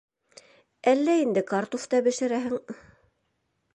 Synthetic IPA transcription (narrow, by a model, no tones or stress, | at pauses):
ælːæind̪ɘkɑɾt̪uft̪ɑbɘ̆ʃɘ̆ɾæɦɘ̆ŋ